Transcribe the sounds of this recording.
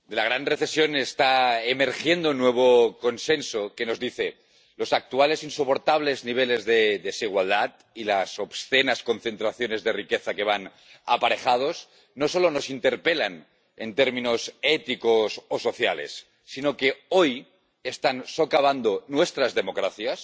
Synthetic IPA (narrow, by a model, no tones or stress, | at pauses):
d̪e̞laɣ̞ɾanreθe̞sjo̞nest̪aeme̞ɾxje̞nd̪onweβ̞oko̞nsensoke̞no̞zðiθe | lo̞sak̚t̪uale̞sinsopo̞ɾt̪aβ̞le̞zniβ̞ele̞zðeðesiɣ̞wald̪at̪̚ | ilasoβsθenasko̞n̟θe̞nt̪ɾaθjo̞ne̞zðe̞rikeθake̞β̞an | a̰paɾexað̞o̞s | no̞so̞lono̞sint̪eɾpelan | ḛnt̪eɾmĩno̞set̪ikososo̞θjalḛsː | inokeoj | est̪anso̞kaβ̞and̪onwest̪ɾazðe̞mo̞kɾaθjas